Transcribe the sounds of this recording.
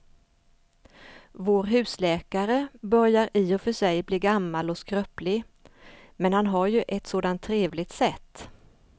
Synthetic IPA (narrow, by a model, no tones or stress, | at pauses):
voːɾɦʉ̟ːslɛːkaɾəbœɾjaɾɪːɔfœʂɛjbliːɡamːalɔskɾœplɪɡ | mɛnhanɦaɾjɵʔɛt̪soːd̪ant̪ʰːɾeːvlɪɡ̚t̪sɛt̪ː